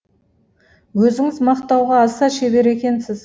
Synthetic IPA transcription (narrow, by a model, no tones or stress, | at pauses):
wɵzɪŋɪzmɑqt̪ɑwʁɑːsɑʃe̞be̞ɾe̞kʲe̞nsɪz̥